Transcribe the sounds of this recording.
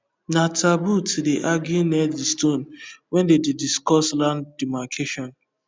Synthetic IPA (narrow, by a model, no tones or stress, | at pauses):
natabutideʔaɡinɛdistõnwɛ̃ndedidiskɔslãndimakʰeʃɔ̃n